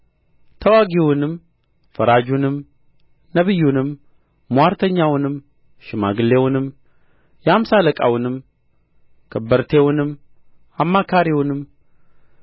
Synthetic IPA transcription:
t̪ʰəwaɡiwʊnɨm | fəɾad͡ʒunɨm | nəβɨjːunɨmː | waɾt̪ʰəɲːawʊnɨm | ʃɪma̰ɡɨlːe̞wʊnɨm | jamsaləkʼa̰wʊnɨm | kʰəbəɾt̪ʰewʊnɨm | amːakʰaɾiwʊnɨm

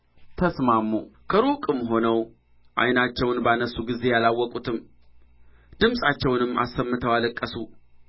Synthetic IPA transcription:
t̪ʰəsmamːukʰəɾokʼɨmɦo̞nəw | ʔa̰jnat͡ʃːɛwnbanəsːuɡize̞jalawːɔkʼut̪ʰɨm | d̪̥ɨmsʼat͡ʃːɛwnɨmːa̰sːəmːɨt̪ʰəwalɨkʼːəsu

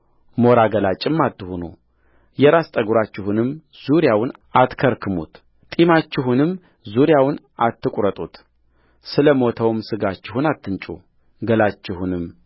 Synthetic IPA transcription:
mo̞ɾaɡəlat͡ʃʼɪmːat̪ːɨhunṵ | jɛɾast̪ʼəɡuɾat͡ʃːɪhunɨm | z̥uɾjawnat̪kʰəɾkʰɨmṵt̪ | t̪ʼimat͡ʃːɪɦunɨm | zuɾjawn | at̪ːɨkʷʼɾət̪ʼut̪ | sɨləmo̞t̪ʰəwmsɨɡat͡ʃːɪhunat̪ʰːɨnt͡ʃʼṵ | ɡəlat͡ʃːɪhunɨmː

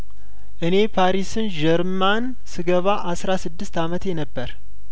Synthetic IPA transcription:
ʔɨne̞pʰaɾisɨnd͡ʒɛɾman | sɨɡəβaʔasɾasɨd̪ːɨst̪amət̪jɛnəbːəɾ

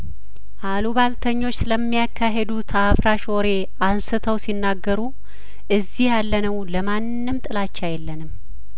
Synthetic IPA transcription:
ʔaluβalt̪ʰəɲːo̞t͡ʃːsɨləmːijakʰːaɦed̪ut̪ʰafɾaʃo̞ɾe̞ | ansɨt̪ʰəwsinːaɡːəɾu | ʔɨzːihjalːənəwləmanːɨmt̪ʼɨlat͡ʃːajɛlːənɨm

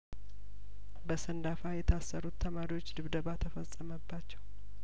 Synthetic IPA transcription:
bəsənd̪afajɛt̪ʰasːəɾut̪ʰːəmaɾiwo̞t͡ʃːd̪ɨβd̪əβat̪ʰəfəsʼːəməbːat͡ʃːɛw

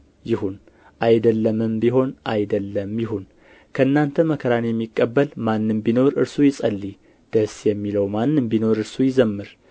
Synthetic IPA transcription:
jɪhun | ʔajd̪əlːəmɨmbiɦo̞nʔajd̪əlːəmjɪɦun | kʰəɨnːant̪ʰəməkʰəɾanjɛmːikʼːəbːəlmanːɨmbino̞ɾɨɾsujɪsʼəlːi | d̪̥əsjɛmːiləwmanːɨmbino̞ɾɨɾsujɪzəmːɨɾ

